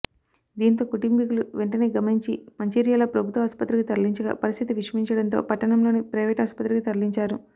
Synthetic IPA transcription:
d̪iːnt̪o̞ːkuʈimpikuluʋeɳʈɐne̞ːɡɐmɐniɲt͡ʃimɐɲt͡ʃiːɾijaːlɐpɾɐbʱut̪ʋɐaːspɐt̪ːɾikit̪ɐɾliɲt͡ʃɐɡɐ̰pɐɾist̪ʰit̪iʋiʂɐiɲt͡ʃɐɽɐnt̪oːpɐʈːɐɳɐmlo̞ːnipɾɐjʋɛːʈaːspɐt̪ːɾikit̪ɐɾliɲt͡ʃaːɾu

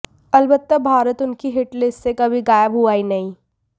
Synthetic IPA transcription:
ɐlbət̪ːəbʱaːɾət̪ʊnkiɦɪʈlɪssekɐbʱiɡaːjəbɦuaːinɐɦĩ

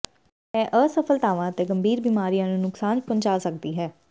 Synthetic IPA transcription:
ɛːʔəsəpʰəlt̪aːʋãːət̪eːɡəmbʱiːɾbiːmaːɾijãːnũːnʊksaːnpʊ̃ɲt͡ʃaːsək̚d̪iːɦɛː

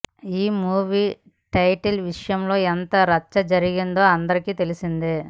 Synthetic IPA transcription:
iːmuːʋiː | ʈɐjʈɐlʋiʂɐjɐmlo̞ːɛnt̪ɐɾɐt͡ʃːɐd͡ʒɐɾiɡind̪o̞ːɐnd̪ɐɾikiːt̪e̞lisind̪i

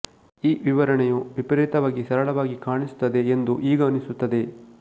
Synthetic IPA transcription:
iːʋiʋɐɾɐɳɛjuʋipɐɾeːt̪ɐʋaːɡisɐɾɐɭɐʋaːɡikaːɳisu̥t̪ːɐd̪e̞ːnd̪uʔiːɡɐːnːisut̪ːɐd̪e̞

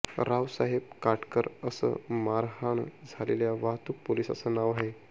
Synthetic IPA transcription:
ɾaʋsaɦeb̚kaʈkəɾəsə̰maɾɦaɳd͡zʱaleljaʋaɦt̪uːk̚poliːsə̰sənaʋaɦe

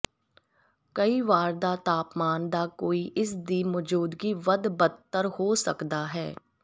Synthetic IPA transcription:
kəiʋaːɾd̪aːt̪aːpmaːnd̪aːkoːiʔɪsd̪iːmɔːd͡ʒuːd̪ɡiʋəd̪bət̪ːəɾhoːsə̰kd̪aːɦɛː

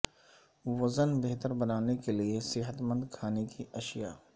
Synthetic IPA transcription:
ʋɐzənbeɦt̪əɾbɐnaːnekeliesɪɦət̪mə̃nd̪kʰaːnekiʔɐʃijaː

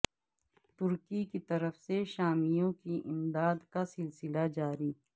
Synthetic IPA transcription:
t̪ʊɾkikit̪ɐɾəfseʃaːmijõkiʔɪmd̪aːd̪kasɪlsɪlad͡ʒaːɾiː

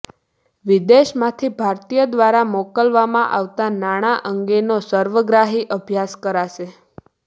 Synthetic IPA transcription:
ʋid̪eʃmãt̪ʰibʱaɾt̪ijəd̪ʋaɾamokəlʋamã̰ʔaʋt̪anaɽ̃aʔəŋɡenosəɾʋəɡɾaɦiʔəbʱjaskəɾaʃe

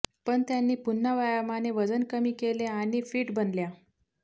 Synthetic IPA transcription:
pəɳt̪janːiːpunːəʋajamaneʋəd͡zənkəmiːkeleaɽ̃ifiːʈbənlja

